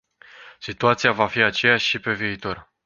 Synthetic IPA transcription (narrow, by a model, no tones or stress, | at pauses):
sit̪uat̪sijavafiat͡ʃejaʃipe̞viːt̪o̞r